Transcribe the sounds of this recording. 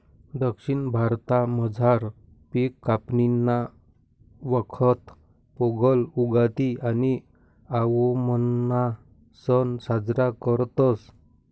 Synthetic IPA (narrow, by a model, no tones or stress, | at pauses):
d̪əkɕiɳbʱaɾt̪aməd͡zʱaɾ | pikːapninːa | ʋəkʰət̪ | pɔɡəluɡat̪iani | aʋomənːa | sənsad͡zɾakəɾt̪ɔs